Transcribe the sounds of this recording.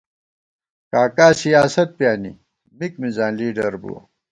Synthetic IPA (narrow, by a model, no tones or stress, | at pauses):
kaːkaːsijaːsɐt̪̚pjaːnḭ | mikmizaːnliːɖɐɾbṵwɐ̰